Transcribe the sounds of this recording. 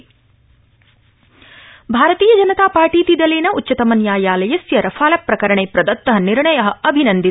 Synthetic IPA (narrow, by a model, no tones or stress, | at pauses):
bʱaːɾɐt̪iːjɐd͡ʒɐnɐt̪aːpaːɾʈiːt̪id̪ɐleːnɐutːt͡ʃːɐt̪ɐmɐnjaːjaːlɐjɐsjɐɾɐfʰaːlɐpɾɐkɐɾɐɳeːpɾɐd̪ɐt̪ːɐɦɐniɾɳɐjɐɦɐ̆ɐbʱinɐnd̪i